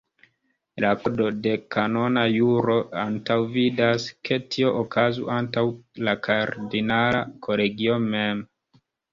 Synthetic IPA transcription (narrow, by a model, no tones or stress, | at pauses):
lakodo̞de̞kano̞najuɾo̞antawvidaskʰe̞tʰio̞ʔokʰazuʔantawlakʰaɾdinalakʰo̞le̞ɡio̞me̞m